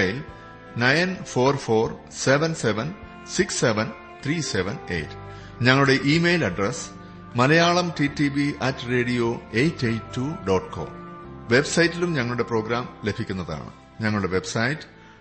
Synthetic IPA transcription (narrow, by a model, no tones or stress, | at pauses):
jil | nɐjnfo̞ːrfo̞ːr | se̞ʋɐnseʋɐn | siksːeʋɐn | t̪ʰriːseʋɐnḛjtːɨ̥ | ɲɐŋːɐɭuɽe̞ʔiːmejlɐɖres | mɐlɐjaːɭɐmtitibiʔɐtːre̞ːɽijo̞ːejt͡ɕːejtːuɖoːʈkʰo̰ːmʋe̞bsɐjitːilumɲɐŋːɐɭuɽe̞pro̞ːɡɾaːmle̞bʱikʲːunːɐða̰ːɳɨ̰ | ɲɐŋːɐɭuɽe̞ʋe̞bsɐjitːɨ̥